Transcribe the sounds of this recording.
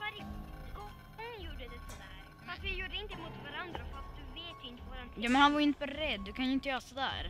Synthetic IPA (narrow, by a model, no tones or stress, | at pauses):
vaɾɪɔ | hʊnjuːɖəd̪ɛsɔd̪æːɾ | afəvɪjuːɖəɪnt̪əɪmʊt̪vaɾand̪ɾaɔfas̚d̪ɵveːt̪jɪnt̪əvaɾankjɑːmɛnhanvaɾjʏɪnt̪əbɛɾɛd̪ːɵkʰanjɪnt̪əjœːsɔd̪æ̰ːɾ